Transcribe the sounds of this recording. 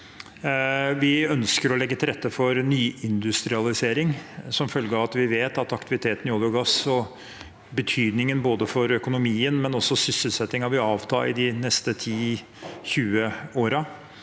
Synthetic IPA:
ʋɪœnskəɾɔlɛɡːət̪ʰɪlɾɛt̪ːəfɔɾnyːʔɪnd̪ʉst̪ɾɪɑlɪseːɾɪŋsɔmfœlɡəɑʋɑt̪ʋɪʋeːt̪ɑt̪ɑkt̪ɪʋɪt̪ʰeːt̪ənjɔːd̪əʊɡɑsɔ | bət̪ʰyːd̪nɪŋənboːd̪əfɔɾœkʊnʊmiːənmɛnɔsːɔsʏsːəlsɛt̪ːɪŋɑʋɪɑːʋt̪ʰɑ̰ːɪd̪ɪnɛst̪ət̪ʰiː | çʉːəoːɾɑ

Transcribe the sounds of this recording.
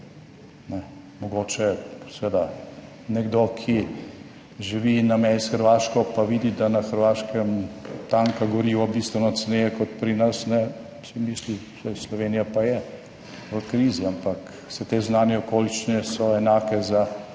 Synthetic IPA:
nɛ | mɔɡoːt͡ʃɛsɛʋed̪a | nɛɡd̪okʰi | ʒiʋinamɛsxəɾʋaːʃkɔpaʋiːd̪id̪anaxəɾʋaːʃkɛmt̪aːŋkaɡɔɾiːʋabist̪ʋɛnɔt̪t͡s̪nejɛkɔt̪̚pɾinɐsnɛ | sɛmisli | sɛjslɔʋeːnijapajɛ | ʋəkɾiːziampak | sɛt̪eznaːnjɛɔkoːlit͡ʃinɛsɔɛnaːkɛza

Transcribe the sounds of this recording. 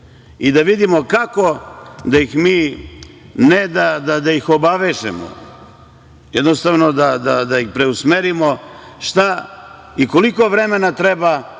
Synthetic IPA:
id̪aʋid̪imokako̞d̪ajixmiː | ned̪ad̪ad̪ajixo̞baʋeʒḛmo̰ | jed̪nost̪aʋno̞d̪ad̪ad̪aixpɾe̞usmeɾimo̞ʃt̪a | iko̞liko̞ʋɾeme̞nat̪ɾeba

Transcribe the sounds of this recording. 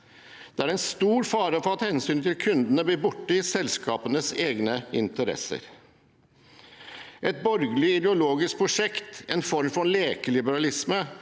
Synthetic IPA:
d̪̥ɛæɾɛɪnst̪uːɾfɑːɾəfɔɾɑt̪hɛnsyːnt̪ʰɪlkʰʉnd̪ənəbliːbʊʈːəɪsɛlskɑ̰ːpənəseːɡnəɪ̰nt̪əɾɛ̰sə̰ɾ | ʔɛt̪̚bɔɾɡlɪɪd̪ɛʊloːɡɪsk̚pʰɾʊʂɛkt̪ɛnfɔɾmfɔleːkəlɪbəɾɑlɪsmə

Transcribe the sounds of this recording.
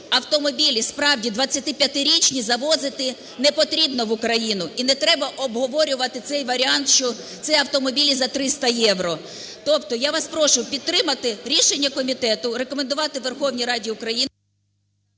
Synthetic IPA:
ɐwt̪ɔmɔbʲilʲispɾɑwdʲid̪ʋɐt͡sʲːɐt̪ɪpʲjɐt̪ɪɾʲit͡ʃnʲizɐʋɔzɪt̪ɪ | nɛpɔt̪ɾʲibnɔʋʊkɾɐjinʊinɛt̪ɾɛbɐʔɔbɦɔʋɔɾʲʊʋɐt̪ɪt̪sɛjʋɐɾʲɪɑnt̪ʃt͡ʃɔ | t̪sɛɐwt̪ɔmɔbʲilʲizɐt̪ɾɪst̪ɐjɛʋɾɔ | t̪ɔpt̪ɔjaʋɑspɾɔʃʊpʲid̪̚t̪ːɾɪmɐt̪ɪɾʲiʃe̞nʲːɐkɔmʲit̪ɛt̪ʊɾe̞kɔmend̪ʊʋɑt̪ɪʋerxɔwnʲijɾɑdʲiʊkɾɐjin

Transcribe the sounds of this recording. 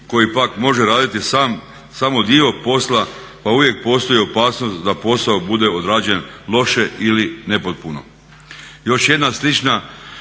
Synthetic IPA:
ko̞jipakmo̞ʒeɾaːd̪it̪isam | samo̞d̪io̞po̞slˠa | pauʋje̞k̚po̞ːst̪o̞jio̞paːsno̞st̪d̪apo̞saobud̪e̞o̞d̪ɾaːd͡ʑe̞nlˠo̞ʃe̞iline̞pot̪̚puno̞̰ | jo̞ʃje̞d̪naslit͡ʃna

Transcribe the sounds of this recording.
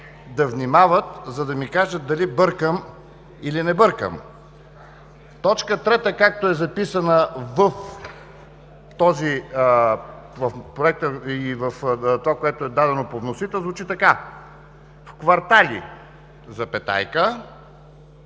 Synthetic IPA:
d̪ɐvnimavət̪zɐd̪ɐmikaʒət̪̚d̪ɐlibɤɾkəm | ilinɛbɤɾkə̰m | t̪ɔt͡ʃkət̪ɾɛt̪əkak̚t̪oɛzɐpisənəvəf | t̪ɔzi | vɐfpɾoɛk̚t̪əivəft̪ovakoɛt̪oɛd̪ad̪ɛnopovnosit̪ɛzvut͡ʃit̪ɐka | fkvɐɾt̪alḭ | zɐpɛt̪a̰jkə

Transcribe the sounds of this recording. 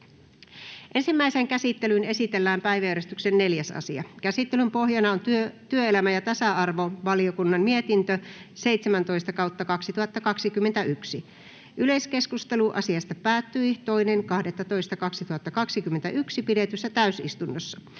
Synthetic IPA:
ʔe̞nsimːæiseŋkæsit̪ːelyne̞sit̪elːæːmpæiʋæjæøɾest̪yksenne̞ljæsɑ̰siɑkæsit̪ːelympo̞ɦjɑnɑont̪yøt̪yøelæmæjɑt̪ɑsɑɑrʋoʋɑliokunːɑmmiet̪int̪øseit̪semænt̪o̞ist̪ɑkɑwt̪ːɑkɑksit̪uhɑt̪ːɑkɑksikymːent̪æyksi | ʔyleske̞skust̪eluʔɑ̰siɑst̪ɑpæːt̪ːyit̪o̞ineŋkɑhdet̪ːɑt̪o̞ist̪ɑkɑksit̪uhɑt̪ːɑkɑksikymːent̪æʔyksipidet̪ysːæt̪æysist̪unːosːɑ̥

